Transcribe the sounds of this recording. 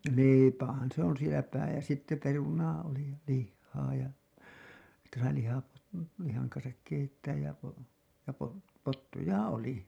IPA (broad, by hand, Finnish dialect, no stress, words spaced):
leˑipæhæn se on sielæ pæː jɑ sitːe perunɑː oli jɑ lihːɑː jɑ sitːe sɑi lihɑpo lihɑŋ kɑnsɑk keitːæːj jɑ po jɑ pot potːujɑ oli